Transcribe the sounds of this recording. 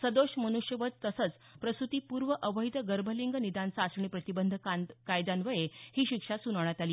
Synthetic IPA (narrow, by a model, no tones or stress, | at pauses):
səd̪oɕmənuʂjəʋət̪t̪əsət͡s | pɾəsut̪iːpuːɾʋəʔəʋəɦjid̪əɡəɾbʱəliŋɡənid̪ansaːsɳipɾət̪ibənd̪ʱəakajd̪anʋəjehiːɕikʂasunəʋɳjat̪aliː